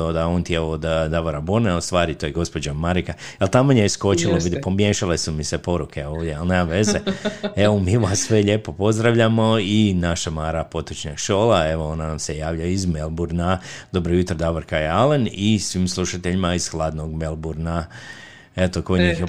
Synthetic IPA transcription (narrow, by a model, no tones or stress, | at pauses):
od̪aont̪jeod̪d̪aʋoɾaboneust̪ʋaːɾit̪oːjeɡo̞spo̞d͡ʑamaɾika | alt̪amoɲesko̞t͡ʃiloʋid̪po̞mje̞ʃalesumisepo̞ɾukʰe̞oːʋd̪ʲjealneːmamʋe̞zee̞ʋomiːuʋasːʋe̞ʎeːpo̞po̞zd̪ɾaʋʎamo̞inaʃamaːɾapo̞t̪ɾot͡ʃɲaɡʃo̞ːlae̞ʋoo̞nanamsejaːʋʎaizmelˠbuɾnad̪o̞bɾojut̪ɾod̪aʋoɾkajealenisʋiːmslˠuʃat̪eʎimaiz̥xlˠaːd̪no̞ɡmelˠbuɾna | e̞t̪okojɲix